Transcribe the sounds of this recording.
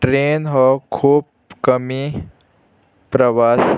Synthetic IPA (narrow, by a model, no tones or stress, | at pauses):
ʈɾeːnɦɔkʰuːb | kəmi | pɾɐʋaːs